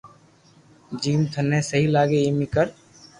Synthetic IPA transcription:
d͡ʒiːmt̪ʰənːɛsəɦilaːɡeemikəɾ

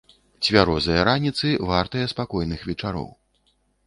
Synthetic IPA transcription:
t͡sʲvʲaɾɔzɐjɐɾanʲit̪sɨvart̪ɐjɛspakɔjnɨxvʲɛt͡ʂaɾɔ̰w

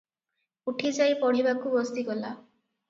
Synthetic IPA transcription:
uʈʰid͡ʒajpɔɽibakubɔst̪ikɔla

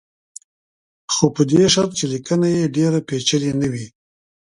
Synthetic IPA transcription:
xopəd̪eʃaɾt̪̚t͡ʃelikənajeɖeɾapet͡ʃəlenəwi

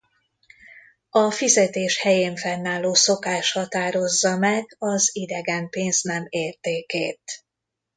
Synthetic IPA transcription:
ɒfizɛt̪eːʃhɛjeːɱfɛnːaːlːoːso̞kaːʃhɒt̪aːɾo̞zːɒmɛɡɒzid̪ɛɡɛmpeːnznɛmeːrt̪eːkeːt̪

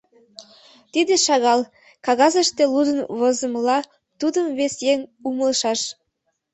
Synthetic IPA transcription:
t̪id̪eʃɑɣɑlˠ | kɑɣɑzəʃt̪elud̪ənβozə̆mlˠɑ | t̪ud̪əmβesjeŋuməlˠʃɑʃ

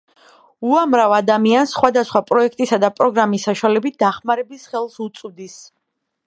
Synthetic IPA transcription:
uamɾavad̪amiansːχwad̪asχwapʼɾɔɛkʰt̪ʼisad̪apʼɾɔɡɾamisːaʃwalɛbit̪̚ʰd̪̥aχmaɾɛbisχɛlˠsut̪sʼvd̪is

